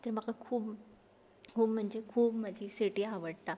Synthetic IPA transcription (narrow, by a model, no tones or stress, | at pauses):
t̪əɾməɡakʰuːb | kuːbm̤əɳd͡ʑekʰuːbmad͡ʑʱisiʈiɦaʋəɽt̪a